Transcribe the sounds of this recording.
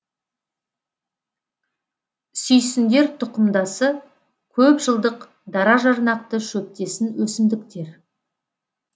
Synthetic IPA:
sʏjsɪnd̪e̞ɾt̪ʰʊqəmd̪ɑsə | kʲʰɵpʒəlˠd̪əq | d̪ɑɾɑʒɑɾnɑq̚t̪əʃɵp̚t̪e̞sɪnwɵsɪmd̪ɪkt̪e̞ɾ

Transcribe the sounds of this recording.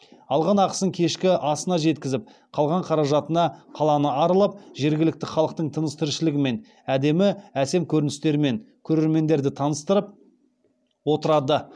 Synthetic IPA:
ɑlˠʁɑnɑqə̥səŋkʲʰe̞ʃkʲɪʔɑsənɑʒe̞t̪kʲɪzɪp̚ | qʰɑlˠʁɑɴqʰɑɾɑʒɑt̪ənɑqʰɑlˠɑnəɑɾəlˠɑp̚ʒe̞ɾɡʲɪlɪk̚t̪ɪχɑlˠəq̚t̪əɴt̪ʰənəst̪ɪɾʃɪlɪɡʲɪme̞n | æd̪e̞mɪæse̞mkʲʰɵɾɪnɪst̪e̞ɾɪme̞ŋ | kʲʰɵɾe̞ɾme̞nd̪e̞ɾd̪ɪt̪ʰɑnəst̪əɾəp̚ | wo̞t̪əɾɑd̪ə

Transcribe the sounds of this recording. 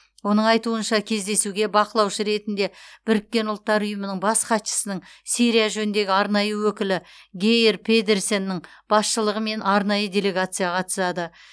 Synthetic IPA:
wo̞nəɴɑjt̪uənʃɑkʲʰe̞zd̪e̞suɡʲe̞bɑqəlˠɑwʃəɾe̞t̪ɪnd̪e̞b̥ɪɾɪkʲːe̞nʊlˠt̪ːɑɾʊjəmənəɴbɑsqɑt̪ʃə̥sənəɴsiɾijaʒɵnnd̪e̞ɡʲɪɑɾnɑjəwɵkʲɪlɪɡʲejɾpʰe̞d̪e̞ɾso̞nːɪɴb̥ɑsʃəlˠəʁəme̞nɑɾnɑjəd̪ʲe̞le̞ɡat̪sɨjɑqʰɑt̪ə̥sɑd̪ə

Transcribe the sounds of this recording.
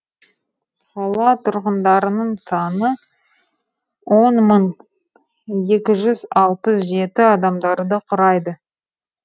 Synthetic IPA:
χɑlˠɑt̪ʰʊɾʁənd̪ɑɾənəɴsɑnə | wo̞nməɴ | je̞kʲɪʒʏzɑlˠpəsʒe̞t̪ɪɑd̪ɑmd̪ɑɾd̪əqʰʊɾɑjd̪ə

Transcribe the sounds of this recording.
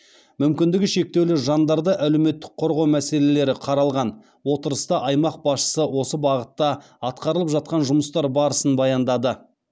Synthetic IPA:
mʏmkʲɪnd̪ɪɡʲɪʃe̞k̚t̪e̞wleʒɑnd̪ɑɾd̪əʔæle̞wme̞t̪ːɪ̥k̚qʰo̞ɾʁɑwmæse̞le̞le̞ɾɪqʰɑɾɑlˠʁɑn | wo̞t̪əɾəst̪ɑʔɑjmɑq̚bɑsʃə̥səwo̞səbɑʁət̪ːɑ | ɑt̪qɑɾəlˠəpʒɑt̪̚qɑnʒʊməst̪ɑɾbɑɾəsənbɑjɑnd̪ɑd̪ə

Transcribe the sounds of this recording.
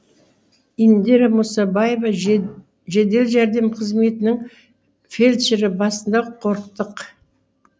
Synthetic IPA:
ind̪eɾamʊsɑbɑje̞vɑ | ʒed̪e̞lʒæɾd̪e̞mqʰəzme̞t̪ɪnɪŋ | fe̞lʲt̪ʃɪɾɪbɑsənd̪ɑqʰo̞ɾəqt̪əq

